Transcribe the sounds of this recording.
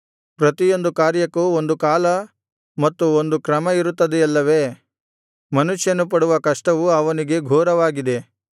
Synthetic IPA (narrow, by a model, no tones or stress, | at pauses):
pɾɐt̪ijo̞nd̪ukaːɾjɐkuond̪ukaːlɐ | mɐt̪ːuond̪ukɾɐmɐiɾut̪ːɐd̪eɐlːɐʋe̞ː | mɐnuʂjɐnup̬ɐɽuʋɐkɐʂʈɐʋuɐʋɐniɡe̞ɡʱoːɾɐʋaːɡid̪e̞